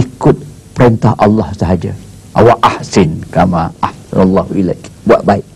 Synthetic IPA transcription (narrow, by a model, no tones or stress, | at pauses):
ikʊt̪̚ | pəɾint̪ahʔɑlːɑhsəɦad͡ʒa̰ | ʔa̰waʔahsɪnkamaʔahsnɑlːɑhuilakbua̰ʔ̪baiʔ̚